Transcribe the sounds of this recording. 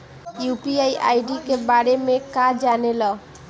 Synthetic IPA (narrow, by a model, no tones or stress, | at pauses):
jupiajʔa̰jɖikebaɽemekad͡ʒanelɔ